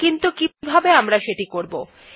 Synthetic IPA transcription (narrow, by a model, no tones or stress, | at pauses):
kint̪ukibʱabeamɾaʃeʈikoɾbo